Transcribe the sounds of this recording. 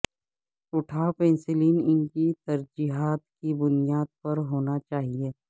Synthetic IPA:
ʊʈʰaːpẽːnsɪliːnɪnkit̪ɐɾd͡ʒiːɦaːt̪kibʊnijaːd̪̚pɐɾɦoːnat͡ʃaːɦieː

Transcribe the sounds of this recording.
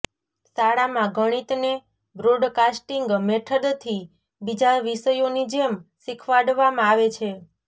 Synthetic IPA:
saɽamãɡʱəɽ̃it̪ne | bɾoɖkasʈiŋɡmɛʈʰəd̪t̪ʰi | bid͡ʒaʋisəjonid͡ʒemsikʰʋaɖʋamãaʋet͡ʃʰe

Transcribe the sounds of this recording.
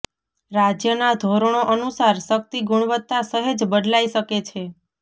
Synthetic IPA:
ɾad͡ʒjənad̪ʱoɾɳ̃oʔənusaɾʃək̚t̪iɡuɳ̃ʋət̪ːasəɦed͡ʒbəd̪laiʃəket͡ʃʰe

